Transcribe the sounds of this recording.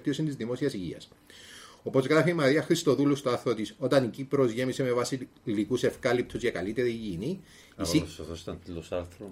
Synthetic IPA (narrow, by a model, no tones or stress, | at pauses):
t̪iosint̪izðimo̞siɐsiʝiɐ̰s | opozɣɾɐfiːmɐɾiɐxɾist̪o̞ðulust̪oɐθot̪iso̞t̪ɐnicipɾo̞zʝe̞miseme̞vɐsilikuse̞fkɐlip̚t̪ʰuzʝɐkɐlit̪e̞ɾiʝiːni | isisost̪ɐnt̪ilosɐlθɾo